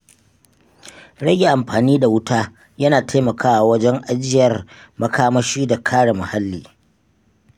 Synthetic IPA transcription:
ɽɐ˦ɡʲe˨ʔa˨mɸaː˨niː˦da˨wʊ˦taː˦ | jɐ˦naː˨ta˦mɐ˨kʰaː˦wa˨wɐ˦d͡ʒɛ˦ŋʔa˦d͡ʒɪ˦˨jɐ˨rmɐ˦kaː˦mɐ˦ʃiː˦da˨kʰaː˦ɽa˨mʊ˨ha˦lːiː˨

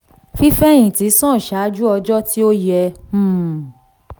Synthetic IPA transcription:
fi˦fɛ˦j̃ĩ˨ti˨˦sɔ̃˦˨ʃa˨˦d͡ʒu˦ɔ˧d͡ʒɔ˦ti˦o˦jɛ̃˧˦˨

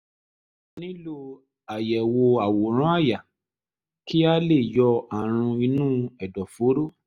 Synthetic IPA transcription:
nĩ˦lo˦ | a˨jɛ˨wo˧a˨wo˨ɾ̃ɔ̃˦a˦˨ja˨ | ki˦a˦le˦˨jɔ˧a˨ɾ̃ũ˧i˧nũː˦˨ɛ˨dɔ˨fo˨˦ɾo˦

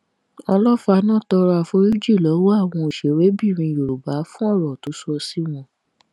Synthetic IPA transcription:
ɔ˧lɔ˦fa˧nãː˦˨tɔ˧ɾɔ˧a˧fo˧˦ɾi˦d͡ʒi˦˨lɔ˨˦wo˦a˦˨w̃ɔ̃˧o˨ʃe˨˦˨we˨˦bi˦˨ɾ̃ĩ˧˨jo˨ɾu˨ba˨˦fũ˦ɔ˦˨ɾɔ˨to˨˦su˦ɔ˧si˦mɔ̃˧

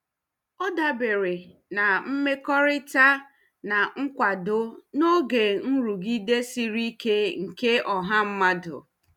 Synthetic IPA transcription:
ɔ˦da˨bɪ˨ɾɪ˨ | na˨m̩˦me˦kɔ˦ɾɪ˦ta˦ | na˨ŋ̩˦kʷa˨dʊ˦no˦ɡe˨n̩˦ɾu˨ɡi˦de˦si˦ɾi˦ke˦ŋ̩˨ke˦ɔ˨ɦa˦m̩˦ma˦dʊ̰˨

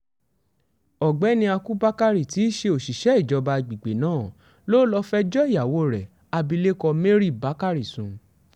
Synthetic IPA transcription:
ɔ˨ɡ͡bɛ˨˦nĩ˧a˧ku˦ba˦ka˦ɾi˨ti˨˦ʃe˧o˨ʃi˨ʃɛ˨˦i˦˨d͡ʒɔ˨˧ba˧˨ɡ͡bi˨ɡ͡be˨nãː˦˨ | lo˦lɔ˧fɛ˦d͡ʒɔ˦i˦˨ja˨wo˨˦ɾɛ˨ | a˧bi˧le˦kɔ˧me˦ɾi˦˨ba˨˦ka˦ɾi˨sũ˨

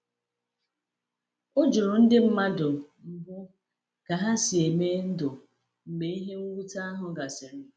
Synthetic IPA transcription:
o˦d͡ʒʊ˨ɾʊ˨n̩˦dɪ˦m̩˦ma˦dʊ˨m̩˨bʊ˦ | ɡ̥a˨ɦa˦si˨e˨me˦n̩˦dʊ˨ | m̩˨ɡ͡be˨˦i˦ɦe˦ŋ̩˦ɡʷu˦ta˦a˦ɦʊ˨ɡa˨sɪ˨ɾ

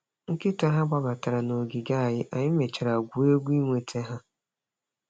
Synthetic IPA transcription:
ŋ̩˦kɪ˦ta˦ɦa˦ɡ͡ba˦ba˨ta˨ɾa˨no˨ɡɪ˨ɡa˦a˨jɪ˦ʔa˨ɲɪ˦me˨t͡ʃe˨ɾa˨ɡʷu˨e˦ɡʷu˦i˦ŋʷe˨tʰe˦ɦa˦

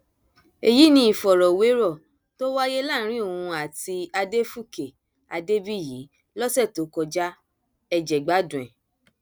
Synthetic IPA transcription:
e˨ji˨˦nĩ˧˦i˦˨fɔ˨ɾɔ˨we˨˦ɾɔ˦˨ | to˦wa˦je˦lã˦˨˦ɾ̃ĩ˦o˦˨ũ˧a˨ti˧a˧de˦fu˦˨ke˨ | a˧de˦bi˦˨ji˨˦ | lɔ˦sɛ˦˨to˨˦kɔ˧d͡ʒa˦ | ɛ˧d͡ʒɛ˨ɡ͡ba˨˦dũ˨ɛ̃˨

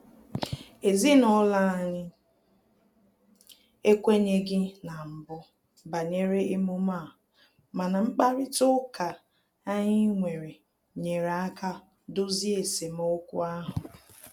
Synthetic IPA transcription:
e˨zi˦nɔ˦la˦a˨ɲɪ˦ | e˦kʷe˦ɲe˦ɡɪ˦na˨m̩˨bʊ˦ | ba˨ɲe˦ɾe˦ɪ˦mʊ˦ma˦˨ | ma˨na˨ŋ͡m̩˦k͡pa˦ɾɪ˦tʊ˦ka˨ | a˦ɲɪ˦ŋʷe˨ɾe˨ | ɲe˨ɾa˦ka˦ | dʊ˦zi˦e˨se˨m˦o˦kʷṵ˦a˦ɦʊ˨

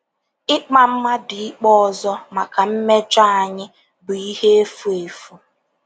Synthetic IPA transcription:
ɪ˦k͡pa˦m̩˦ma˦dɪ˨ɪ˦k͡pɔ˦ɔ˨zɔ˦ma˨ka˨m̩˦me˦t͡ʃa˦a˨ɲɪ˦ | bʊ˨i˦he˦e˦fu˦e˨fu˦

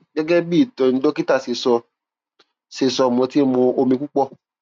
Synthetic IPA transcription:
ɡɛ˦ɡɛ˦biː˦˨tɔ̃˨n̩˧˦do˦ki˦ta˦˨se˧sɔ˧ | se˧sɔ˧˨mɔ̃˧ti˦mõ˧o˧mĩ˧ku˦k͡pɔ˦˨

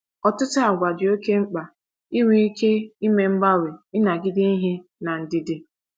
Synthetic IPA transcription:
ɔ˨tʊ˦tʊ˦a˨ɡʷa˨dɪ˨o˦ke˦ŋ͡m̩˦k͡pa˨ | i˦wʷi˦i˦kʰe˦i˦me˦ŋ͡m̩˦ba˦we˨ɪ˦na˨ɡɪ˦dɪ˦i˦ɦɪ˦na˨n̩˨dɪ˦dɪ˦

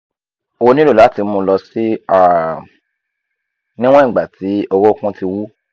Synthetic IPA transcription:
o˧o˧nĩ˦lo˦˨la˨˦ti˧˦mũ˧lɔ˧si˦a˦˨ | nĩ˦w̃ɔ̃˦ĩ˦˨ɡ͡ba˨ti˨˦o˧ɾo˦kũ˦ti˧wu˦

